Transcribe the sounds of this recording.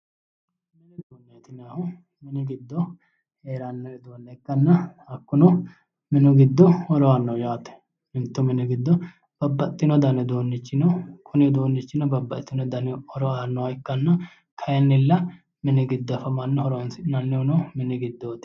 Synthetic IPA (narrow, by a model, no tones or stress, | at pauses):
nɛd̪oːnːeːt̪ɪnaːhʊ | mɪnɪɡɪd̪ːɔ | heːɾɐnːɛd̪oːnːɛɪkːɐnːɐhɐkːʊnɔ | mɪnʊɡɪd̪ːɔhɔɾɔanːɐwjaːt̪ːɛ̥ | nɪmt̪ːʊmɪnɪɡɪd̪ːɔ | b̥ɐbːɐt̪ʼːɪnɔd̪ɐnɛd̪oːnːɪt͡ʃːɪnɔkʰʊnɪd̪oːnːɪt͡ʃːɪnɐbɐbːɐt̪ːɪnɔd̪ɐnɛɔɾɔaːnːɔwɐɪkːɐnːɐ | kʰɐjɛnːɪlːɐ | mɪnɪɡɪd̪ːɔfɐmɐnːɐhɔɾɔnsɪnɐnːɛʊnɔmɪnɪɡɪd̪ːɔt̪ɪ̥